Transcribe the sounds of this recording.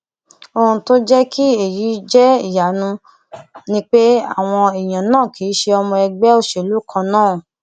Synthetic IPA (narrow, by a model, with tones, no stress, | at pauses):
o˧hũ˧to˦d͡ʒɛ˦ki˦e˨ji˨˦d͡ʒɛ˦i˦˨ja˨nũ˧ | nĩ˦k͡pe˦a̰˦˨w̃ɔ̃˧e˨j̃ã˨nãː˦˨kʰi˨˦ʃe˧ɔ˧mɔ̃˧ɛ˧ɡ͡bɛ˦o˦ʃe˨lu˨˦kʰã˧nãː˦˨